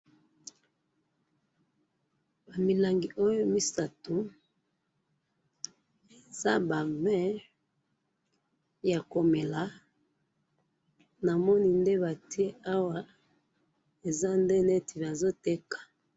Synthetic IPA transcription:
ba˨mi˨la˨ŋɡi˨ʔo˦jo˦mi˦sa˨to˨ | e˨za˦ba˨vɛ̃˦ | ja˨ko˨me˨la˨ | na˨mɔ˦ni˦nde˦ba˨ti˦e˦ʔa˦wa˨ | e˨za˦nde˦ne˦tʰi˨ba˨zo˦te˦kḁ˨

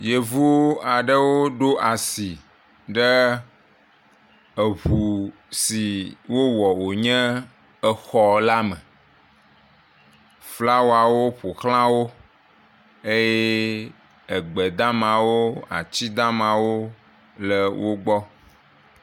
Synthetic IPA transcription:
je˨vu˦a˨ɖə˦wo˦ɖo˦ʔa˨si˨ | ɖə˦ | ə˨βu˨ | si˨wo˦wɔ˨wo˨ɲɛ̃˦ | ə˨xɔ˨la˦mə̃˨ | fla˦wa˨wo˦ɸo˨xlã˦wo˦ | e˦je˦ | ə˨ɡ͡bə˨d̪ã˦mã˨wo˦a̰˨t͡ɕi˦d̪ã˦mã˨wo˦ | lə˨wo˦ɡ͡bɔ˦

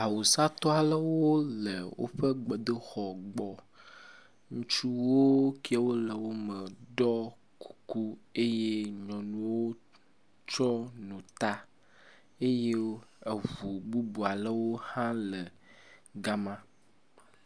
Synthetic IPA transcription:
a˨wo˨sa˦t̪ɔ˦a˨lə˦wo˦lə˨wo̰˦ɸə˦ɡ͡bɔ˨d̪ə˦xɔ˨ɡ͡bɔ˨ | ŋũ˦t͡ʃu˦wo˦ki˦a˨wo˦lə˨wo˦mə˨ɖɔ˦ | ku̥˨ku˦e˦je˦ɲɔ̃˨nũ˨wo˦ | t͡ʃɔ˦nũ˨t̪a˦ | e˦je˦e˨vu˨ɡ͡bu˦bu˨a˨lə˦wo˦hã˦lə˨ | ɡa˦mã˦

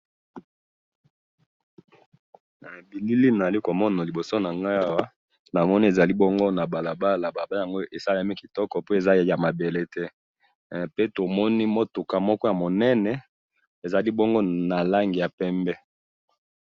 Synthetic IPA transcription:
bi˨li˦li˦na˨a˨li˦ko˨mɔ˦na˨li˨bo˨so˦na˨ŋɡa˦a˦a˦wa˦ | na˨mɔ˦ni˦e˨za˨li˦bɔ˦ŋɡo˦na˨ba˨la˨ba˦la˨ba˨ba˦ja˨ŋɡo˦ʔe˨sa˦la˨˦mi˦ki˨tɔ˦kɔ˨po˦e˨za˦˨ja˨ma˨be˨le˦tɛ˦ | pe˦to˨mɔ˦ni˦mo˦tu˨ka˨mɔ˦kɔ˦ja˨mo˨nɛ˦nɛ˨ | e˨za˨li˦bɔ˦ŋɡo˦na˨la˦ŋɡi˨ja˨pɛ˦mbɛ˦

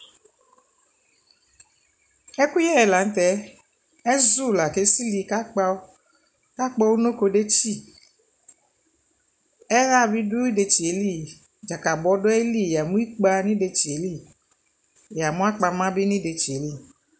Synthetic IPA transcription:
ɛ˦ku˦jɛ˦ɛ˨la˨n̩˦t̪ɛ˨˦ | ɛ˦zu˦˨la˨ke˦si˦li˨ka˦k͡pa˧˦ | ka˦k͡pɔ˦wu˦nõ˦ko˧ɖe˦t͡ʃi˦ | ɛ˦ɣa˦˨bi˦du˦i˦ɖe˨t͡ʃi˨e˨˦li˦˨ | d͡ʒa˨ka˨bɔ˨˦ɖo˦e˦li˦˨ja˨mũ˦i˦k͡pa˧nĩ˦ɖe˨t͡ʃi˨e˨˦li˦˨ | ja˨mũ˦a˦k͡pa˨mã˦bi˦nĩ˦ɖe˨t͡ʃi˨e˨˦li˦˨

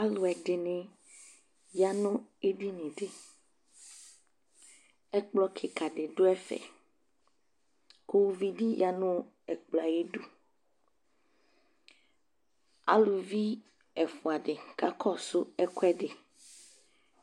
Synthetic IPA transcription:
a˦lo˨ɛ˨ɖe˨nẽ˨ | ja˦nʊ̃˦e˦ɖi˦nẽ˨ɖe˦ | ɛ˦k͡plɔ˦kʰe˨ka˨ɖe˨ɖo˦ɛ˦fɛ̰˨ | ko˦wo˦vi˦ɖi˦ja˦nʊ̃˦ | ɛ˨k͡pla˨je˦ɖu˦ | a̰˦lo˨vi˦ | ɛ˨fu˨a˨ɖɪ˨ka˦kʰɔ˦so˦ɛ˦ko˦ɛ˦ɖe˨

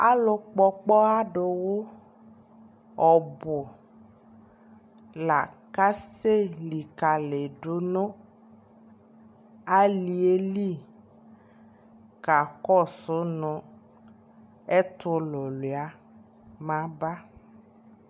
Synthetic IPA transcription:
a˦lo˨k͡pɔ˦k͡pɔ˦a˦ɖo˨wo˦ | ɔ˨bʊ˨ | la˨ka˦se˦li˨ka˨le˨ɖo˦nõ˦ | a˦li˨e˦li˦˨ | ka˨kɔ˦˨sʊ˦nɔ̃˨ | e˦t̪ʊ˦lo˨lo˨a˦ | mã˦ba˦

